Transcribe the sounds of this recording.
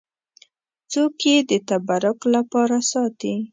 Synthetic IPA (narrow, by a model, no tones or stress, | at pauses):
t͡sokjed̪ət̪abaɾʊklapɑɾasɑt̪i